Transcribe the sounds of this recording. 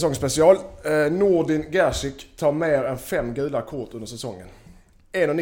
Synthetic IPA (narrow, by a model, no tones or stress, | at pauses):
sɔŋspɛsɪɑːlnuɖɪnɡæʂɪkt̪ʰɑːɾmeːɾɛnfɛmːɡʉ̟ːlakʰʊʈ̪ɵnd̪əʂ̬ɛsɔŋːə̰n | eːnɔn